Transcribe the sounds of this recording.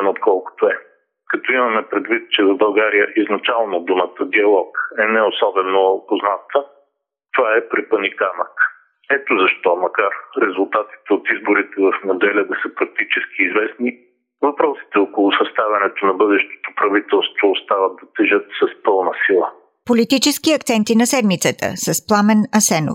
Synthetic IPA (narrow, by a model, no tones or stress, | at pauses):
not̪kʰɔlˠkʊ̥t̪oɛ | kɐt̪ɔimɐmɛpɾɛd̪vit̪̚t͡ʃɛvɐbɐlˠɡaɾijəʔiznɐt͡ʃalˠnod̪umɐt̪əd̪iɐlˠɔkɛnɛosɔbɛnopoznat̪ə | t̪ovaɛpɾipənikanək | ɛt̪ozɐʃt̪ɔmɐkaɾɾɛzulˠt̪at̪i̥t̪ɛot̪izboɾit̪ɛvɐfnɐd̪ɛlʲəd̪ɐsəpɾɐk̚t̪it͡ʃɛsk̟iːzvɛsni | vɐpɾɔsi̥t̪ɛokolˠʊsɐst̪avʲɐnɛt̪onɐbɤd̪ɛʃt̪o̥t̪opɾɐvit̪ɛlˠst̪voːst̪avəd̪ɐt̪ɛʒət̪sɐspɤlˠnəsilˠə | polit̪it͡ʃɛskiɐkt̪sɛnt̪inɐsɛd̪mit̪sət̪ə̰sɐsplˠamɛnɐsɛno̰